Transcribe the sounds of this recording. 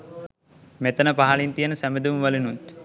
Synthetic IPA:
met̪ənəpaɦalint̪ijənəsæmed̪umʋɐlinunt̪

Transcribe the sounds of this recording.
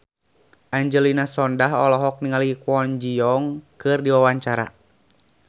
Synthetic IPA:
ʔaɲd͡ʒəlinasɔndaɦɔlɔɦɔk̚niŋalikwɔnd͡ʒiɔŋkɨrdiwawaɲt͡ʃaɾa̰

